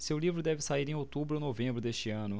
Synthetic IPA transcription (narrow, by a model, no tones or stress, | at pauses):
sewlivɾʊd̪ɛvɪsaiɾẽot̪ubɾʊonovẽmbɾʊd̪eʃt͡ʃɪɐ̃nʊ